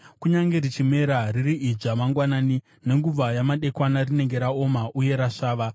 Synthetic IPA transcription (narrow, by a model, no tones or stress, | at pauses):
kuɲaŋɡe̞rit͡ʃime̞ɾaririʔid͡ʐamaŋɡwanaːni | ne̞ŋɡub͡vajamaɗe̞kwanarine̞ŋɡe̞ɾao̞maʔuje̞ɾaʂaːʋa